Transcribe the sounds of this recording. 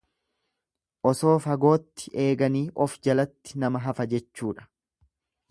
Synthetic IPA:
ʔɔso̞ːfɐɡo̞ːt̪ːɪ̥ʔe̞ːɡɐniːʔɔfd͡ʒɐlɐt̪ːɪ̥nɐmɐɦɐfɐd͡ʒɛt͡ʃːuːᶑɐ̥

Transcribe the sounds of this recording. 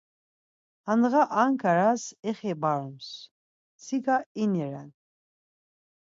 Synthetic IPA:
anʁaʔaŋkʰaɾasɛχɛbaɾums | siɡainiɾa̰n

